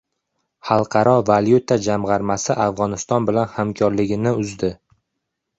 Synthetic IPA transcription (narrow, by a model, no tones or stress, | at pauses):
hɑlˠqʰɑɾʔɒvaljut̪ʰad͡ʒamʁɑɾmasɪʔafʁɒnɪst̪ɒnbɪlanhamkʰɒɾlɪɡʲɪnɪʊzd̪ɪ